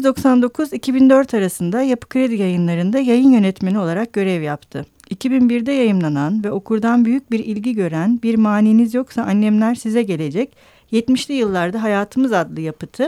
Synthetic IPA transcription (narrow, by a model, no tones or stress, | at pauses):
zd̪o̞ksand̪o̞kʰuzicʰibind̪ø̞ɾt̪ʰaɾasɯnd̪ajapɯ̥kʰɾe̞d̪ijajɯnlˠaɾɯnd̪ajajɯnjø̞nɛt̪menʲio̞lˠaɾak̚ɟ̥ø̞ɾɛvjapt̪ʰɯ | icʰibinbiɾd̪ɛjajɯmlˠananvɛo̞kʰuɾd̪anbyjyc̚biɾilʲɟiɟø̞ɾænbiɾmaːniːnizjo̞ksaanːɛmlʲæɾsizɛɟe̞lʲe̞d͡ʒɛc | jɛt̪miʃlʲijɯlˠːaɾd̪aɦajaːt̪ʰɯmɯzad̪lˠɯjapɯt̪ʰɯ